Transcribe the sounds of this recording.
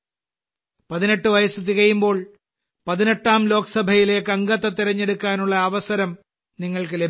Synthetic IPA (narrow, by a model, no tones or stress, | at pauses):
pɐðine̞ʈːɨʋɐjɐsɨt̪̬iɣɐjumbo̞ːɭ | pɐðine̞ʈːaːmlo̞ːkɐsɐbʱɐjile̞ːkːɐŋɡɐt̪ːɐt̪iɾɐɲːe̞ɽukːaːnuɭːɐːʋɐsɐɾɐm | niŋːɐɭkɨle̞b